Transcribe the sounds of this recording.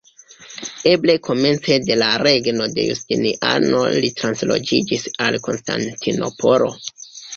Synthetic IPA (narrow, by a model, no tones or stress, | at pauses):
e̞ble̞kʰo̞me̞nt͡se̞de̞laɾe̞ɡno̞de̞̰jṵstiniʔa̰no̞̰litɾanslo̞̰d͡ʒid͡ʒisalko̞nsta̰ntʰino̞pʰo̞ɾo̞̰